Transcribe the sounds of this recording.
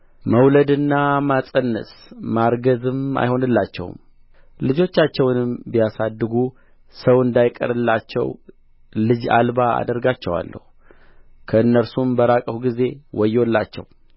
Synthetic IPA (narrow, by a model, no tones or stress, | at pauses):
məwləd̪ɨnːamasʼənːə̰smaɾɡəzɨma̰jho̞nɨlːat͡ʃːɛ̰w̰m | lɨd͡ʒo̞t͡ʃːat͡ʃːɛwnɨmbijasad̪ːɨɡu | səwɨnd̪ajkʼə̰ɾɨlːat͡ʃːɛ̰w | lɨd͡ʒa̰lbaa̰d̪əɾɡat͡ʃːɛwa̰lːə̰hu | kʰəɨnːəɾsumbəɾakʼəwuɡize̞wɔjːwɔlːa̰t͡ʃːɛ̰w